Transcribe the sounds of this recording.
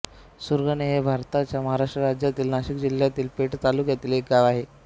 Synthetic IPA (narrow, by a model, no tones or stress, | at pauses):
suɾɡəneɦebʱaɾt̪at͡ɕjaməɦaɾaʂʈɾəɾad͡ʑjat̪iːlnaɕikd͡ʑil̤jat̪iːlpeʈt̪alukjat̪iːlek̚ɡaʋaɦe